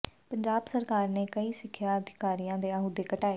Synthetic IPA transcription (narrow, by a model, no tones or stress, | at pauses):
pəɲd͡ʒaːbsəɾkaːɾneːkəiːsɪkʰːjaːəd̪ʱɪkaːɾijãːd̪eːaːɦuːd̪eːkəʈaːeː